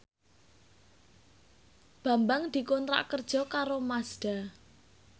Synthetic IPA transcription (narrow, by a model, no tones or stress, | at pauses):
b̥ä̤mbaŋd̪̥i̤konɾa̰ʔkərd̥ʒ̥ɔ̤kaɾomasd̥a̤